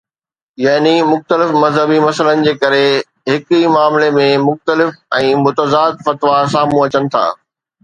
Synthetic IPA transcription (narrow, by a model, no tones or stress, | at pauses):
jɐɦnimʊxt̪əlɪfmɐzɦəbimɐsələnɪ̆d͡ʑeːkɐɾe | ɦɪkimaːmlemẽmʊxt̪əlɪfɛ̃ːmʊt̪əzaːd̪fɐt̪ʋasaːmũɐt͡ɕənɪ̆t̪ʰa̰ː